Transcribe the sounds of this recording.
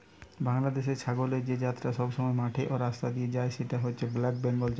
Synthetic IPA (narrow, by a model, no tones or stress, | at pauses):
baŋlad̪eʃeɾʃʰaɡoleɾd͡ʑed͡ʑat̪ːɾaʃɔbʃɔmɔemaʈʰeʔoɾast̪ad̪ied͡ʑaeʃeʈaɦotːt͡ɕʰeblakbenbolt͡ɕa